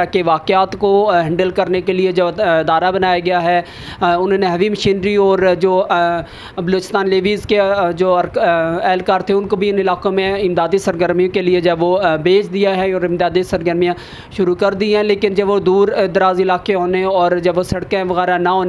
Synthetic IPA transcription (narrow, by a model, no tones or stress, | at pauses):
keʋaːkɪaːt̪koɦɐ̃ɳɖəlkɐɾnekelied͡ʒɐbɪd̪aːɾabɐnaːjaɡɐjaɦɛ | ʊnɦõːneɦɐʋimɐʃiːnɾiɔːɾd͡ʒoː | bɐloːt͡ʃɪ̥st̪aːnleːʋiːzked͡ʒoːɐɾɛːlkaːɾt̪ʰeʊnkobʱiɪnɪlaːkõmẽɪmd̪aːd̪isɐɾɡəɾmijõkelied͡ʒɦɛʋobeːt͡ʃd̪ijaɦɛɔːɾɪmd̪aːd̪isɐɾɡəɾmijã | ʃʊɾukɐɾd̪iɦɛ̃leːkɪnd͡ʒɐbʋod̪uːɾd̪ɐɾaːzɪlaːkeɦoːneɔːɾd͡ʒɐbʋosɐɽkẽʋɐɣɛːɾanɐɦoːn